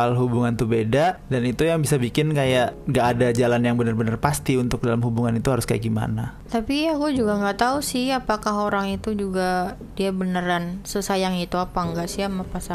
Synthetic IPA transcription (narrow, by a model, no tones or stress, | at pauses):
alɦubuŋant̪ubedadanit̪ujaŋbisabikɪnkajaʔŋɡaʔːdad͡ʒalanjaŋbənərbənərpast̪iunt̪ʊk̚dalamɦubuŋanit̪uɦaɾʊska̰jaɡima̰nat̪apiakud͡ʒuɡaŋɡaʔt̪ausɪhapakaɦoɾaŋit̪ud͡ʒuɡa | diabənəɾansəsajaŋit̪uapaŋɡaʔsɪamapasa